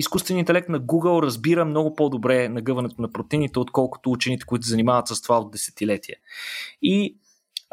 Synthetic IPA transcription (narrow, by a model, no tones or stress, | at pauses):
iskust̪vɛnint̪ɛlɛk̚t̪nɐɡuɡəlˠɾɐzbiɾəmnɔɡʊpɔd̪obɾɛnɐɡɤvɐnɛt̪ʊnɐpɾot̪init̪ɛot̪kɔlˠkʊ̥t̪ʊut͡ʃɛnit̪ɛ̥koit̪ʊzɐnimavət̪səst̪ovaod̪ːɛsɛ̥t̪ilɛt̪iɛ | i